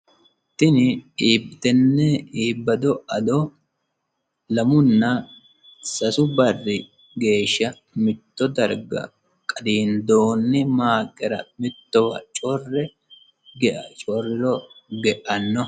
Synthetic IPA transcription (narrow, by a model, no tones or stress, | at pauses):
t̪ɪnɪiːbɪt̪ɛnːɛiːbːɐd̪ɔɐd̪ɔ | lɐmʊnːɐ | sɐsʊbɐrːɪ | ɡe̞ːʃːɐ | mɪt̪ːɔd̪ɐɾɡɐ̰ | kʼɐd̪iːnd̪oːnːɪmaːkʼːɛɾɐ̰mɪt̪ːɔwɐ̰t͡ʃʼɔrːɛ | ɡɛʔɐt͡ʃʼɔrːɪɾɔɡɛʔɐnːɔ